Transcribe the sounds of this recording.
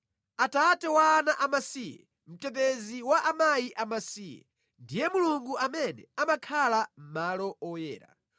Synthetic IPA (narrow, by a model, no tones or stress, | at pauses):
atatɛwaːnaʔamasiːjɛ̰ | m̩tɛp̬eziwaʔamajiʔamasijɛ̰ | ndijɛmuluŋɡuamɛnɛ̰amakʰalam̩malɔɔjɛ̰ːɾa̰